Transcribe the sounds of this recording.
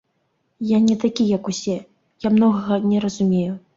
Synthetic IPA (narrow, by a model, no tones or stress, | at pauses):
janʲɛt̪akʲijɐkusʲɛ | jamnɔɣɐɣɐnʲɛɾɐzumʲeju